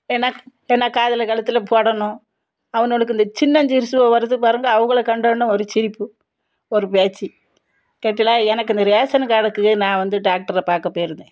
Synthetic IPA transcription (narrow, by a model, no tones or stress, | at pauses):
eːnːaːɛːnːaːkaːðɐlɐkɐɭɐt̪ːɪlɐpʰoːɽɐɳʊ̃ | ɐʋɐnoːɭɯkːɯind̪ɐt͡ʃɪnːɐɲd͡ʒiɾɯsɯʋɐʋɐɾɯt̪ːɯpaːɾɯŋɡaɐʋɐŋɡɐɭɐkɐɳɖɐɳːɐ̃ɔɾɯt͡ʃɪɾɪpːɯ | ɔɾɯpeːt͡ʃːi | keːʈːilaːɛnɐkːɯnd̪ɐɾeːsɐnɐkaɽɐkːɯenãːʋɐnd̪ɯɖaːk̚ʈɐɾɐpaːɾkɐpːoːjɪɾɯnd̪ẽː